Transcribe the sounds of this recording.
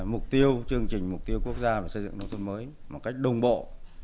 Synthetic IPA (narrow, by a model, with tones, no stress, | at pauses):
mʊ˨˩k͡p̚t̪i˧əwt͡ɕɨ˧əŋt͡ɕï˨˩ŋ̟m˨˩k͡p̚t̪i˧əwku˦˥ək̚zaː˧ve˨˩sə˧jzɨ̰˧˨ŋt̪ə˨˦wt̪ʰə˧nməː˨˦jmo˨˩t̚ka˦˥jk̟̚ɗə˧wŋ͡mɓo̰˧˨